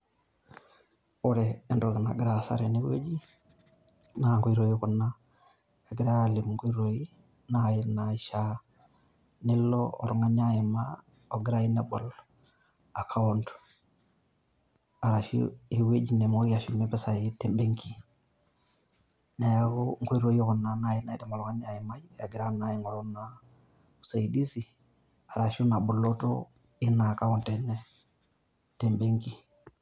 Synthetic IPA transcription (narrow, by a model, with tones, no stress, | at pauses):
u˦ɾeː˨ndoɡu˨na̰˨ɡɾa˨sa̰˦ɾene˦wḛ˦d͡ʒi˦ | na˨ŋku˦i˦ɾo˨jikunːa˦ | e˨ɡɾa˦li˨mŋku˦iɾoi | na˨jina˨ʃa˦ | ni˦lːoo̰˨ɾuŋa˦ɲa˦jɛ˨ma | o˨ɡɾa˦ji˦nebo˨l | a˨kʰa˦wonto̥ | a˨ɾa˨ʃṵe˨we˦d͡ʒi˨nɛ˨mo˦i˦a˨ʃi˨mɛ˦pɛ˦sa˨ɪ˦tɛ˨mbe˦ŋki˦ | ne˨jɡo˦ŋko˦ɾo˦jɔ˦kɔ˨na˨na˦ji˦na˦i˦da˨mo˨ɾɔ˨ŋa˦ɲ˦a˨jɪ˨ma˦i˦bɛ˨a˨ɡɪ˨ɾa˦na˦ji˦ŋɔ˨ɾɔ˦na˨ | u˨sa˨i˨di˦si˨ | a˨ɾa˨ʃu˦na˨bo˨lo˦to̰˦ | ɪ˦na˨ka˦ɔ˦˨ntɛ˨nɛ˦ | tɛ˨mbe˦ŋki˦